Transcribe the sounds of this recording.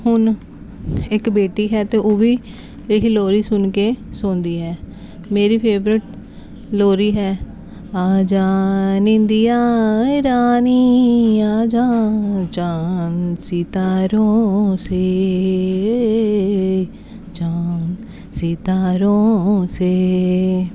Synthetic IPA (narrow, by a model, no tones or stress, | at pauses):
hʊn | ɪkbeːʈiːɦɛːt̪eːʔoːʋiː | lekʰiloːɾiːsʊnkeːsʊːnd̪iːɦɛː | meːɾiːpʰeːbɾɪʈ | loːɾiːɦɛː | aːd͡ʒaːnĩnd̪iːaːɾaːniːaːd͡ʒaːt͡ʃaːnsiːt̪aːɾoːseː | d͡ʒaːn | siːt̪aːɾoːseː